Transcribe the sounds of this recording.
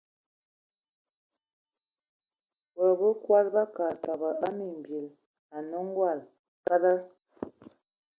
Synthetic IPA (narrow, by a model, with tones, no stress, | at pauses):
bə˨bə˦kwa˦lba˦ka˨ta˨bə˨a˦mi˨m˨bji˨l | a˨nɔ˦ŋ˦ɡwa˦˨l | ka˦da˦